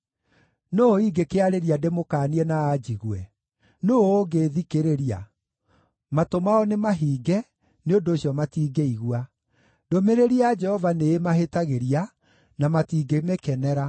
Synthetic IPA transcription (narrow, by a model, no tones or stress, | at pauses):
noiɡekeaɾeɾiademokaːniɛnaːd͡ʒiɣwɛ | noːɡeðikeɾeɾia̰ | matomaɔnemaɦiːɡɛ | neondoːɕjɔmatiːɡeiɣwa | domeɾeɾiad͡ʒɛhɔvaneːmaɦetaɣeɾia | namatiːɡemekɛnɛɾa